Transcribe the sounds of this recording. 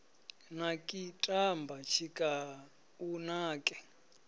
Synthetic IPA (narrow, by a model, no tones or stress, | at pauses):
nakʼitʼambat͡ʃʰikʼa | unaːkʼɛ